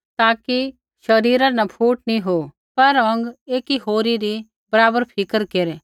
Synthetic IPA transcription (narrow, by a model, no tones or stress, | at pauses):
t̪aːki | ʃɐɾiːɾãnɐpʰuːʈ̚nĩɦoː | pɐɾɐ̃ŋɡeːkiɦoːɾiɾi | bɐɾaːbəɾpʰɪkəɾkeɾe